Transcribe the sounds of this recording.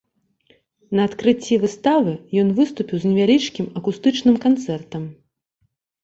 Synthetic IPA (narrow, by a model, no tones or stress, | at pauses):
nɐːt̪kɾɨt͡sʲːivɨst̪avɨjɔnvɨst̪upʲiwznʲɛvʲalʲit͡ʂkʲimɐkust̪ɨt͡ʂnɨmkant̪sɛrt̪ɐm